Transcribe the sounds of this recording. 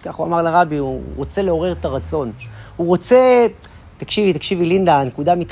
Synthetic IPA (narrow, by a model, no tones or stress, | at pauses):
kaχua̰maʁlaʁabiuʁo̞t͡se̞le̞o̞ʁe̞ʁet̪aʁat͡so̞nhuʁo̞t͡se̞ | t̪akʃivit̪akʃivilind̪anekudamit̪